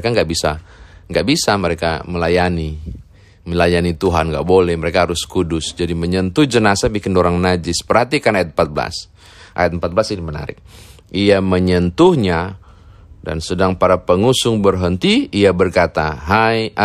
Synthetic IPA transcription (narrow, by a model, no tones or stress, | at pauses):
kaŋɡaʔbisa̰ŋɡaʔbisaməɾeka̰məlajani | məlajanit̪uɦanŋɡa̰ʔbolɛhməɾekaɦaɾʊskudʊsd͡ʒadiməɲənt̪ʊhd͡ʒənasabikɪndoɾaŋnad͡ʒɪspərɦat̪ikanajat̪̚mpat̪̚bəla̰s | ʔa̰jat̪̚əmpat̪̚bəlasiniməna̰ɾɪ̰k̚ | ʔiaməɲənt̪ʊhɲa | da̰nsədaŋpaɾapəŋusʊŋbərɦənt̪iːabərkat̪a̰ɦaja